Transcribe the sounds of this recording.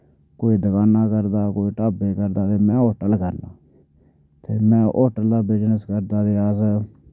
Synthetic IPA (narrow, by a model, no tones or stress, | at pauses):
koːiːd̪əkaːnaːkəɾd̪aːkoːiːʈaːbeːkəɾd̪aːt̪eːmɛ̃ːoːʈəlkəɾnaː | t̪ʰeːmɛ̃ːʔoːʈəld̪aːbɪd͡ʒnəskəɾd̪aːd̪eːaːz